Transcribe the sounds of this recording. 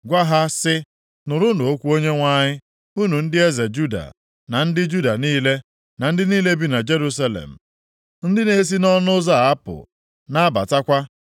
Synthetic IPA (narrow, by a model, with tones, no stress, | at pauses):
ɡʷa˦ɦa˦sɪ˦ | nʊ˨ɾʊ˦no˨o˦kʷu˦o˦ɲe˦ŋʷa˦ɲɪ˦ | u˦nu˨n̩˦dɪ˦e˦ze˨d͡ʒu˦da̰˨ | na˨n̩˦dɪ˦d͡ʒu˦da˨niː˦le˦ | na˨n̩˦dɪ˦niː˦le˦bi˦na˨d͡ʒe˦ɾu˦s̬a˦lḛ˨m̩˨ | n̩˦dɪ˦ne˦s̬i˦nɔ˦nʊ˦za˦˨a˦pʊ̰˨ | na˦ba̰˨ta˦kʷa˦